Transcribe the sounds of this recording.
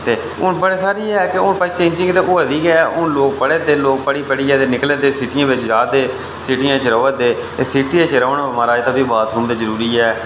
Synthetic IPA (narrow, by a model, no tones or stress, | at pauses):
t̪eː | ʊnbəɽeːsaːɾiːɛːkɪʊpaːiːt͡ʃẽːɲd͡ʒɪ̃ŋɡt̪eːʔʊːəd̪iːɡɛʔʊnloːk̚pəɽeːd̪eːloːk̚pəɽiːpəɽiːɛːt̪eːnɪkleːd̪eːsɪʈɪjãːʋɪt͡ʃd͡ʒaːd̪eː | sɪʈɪjãːt͡ʃɾəːəd̪eːt̪eːsɪʈiːãːt͡ʃɾəːnamaːɾaːt̪aːbiːbaːt̪ɾũːmd̪eːzəɾuːɾiːɛː